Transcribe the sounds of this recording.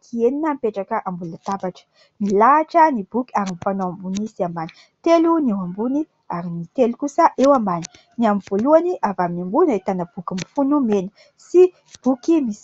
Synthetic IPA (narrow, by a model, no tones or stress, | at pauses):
k̪ʰieninəmpeʈ͡ʂakəʔambulunat̪avaʈ͡ʂə̥ | nilaːʈ͡ʂənib̥ukʲi̥aɾinifanowambunisiambani̥ | t̪elunewambuni | aɾinit̪elukusəʔewambani̥ | niamivoluaniʔavaminambunait̪anəb̥ukʲimifunumenə̥ | si | b̥ukimisi̥